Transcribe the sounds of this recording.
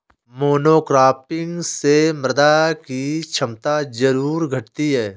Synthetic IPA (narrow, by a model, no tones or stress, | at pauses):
moːnoːkɾaːpɪ̃ŋɡsemɾəd̪akit͡ʃʰɐmt̪azɐɾuːɾɡʱɐʈt̪iɦɛː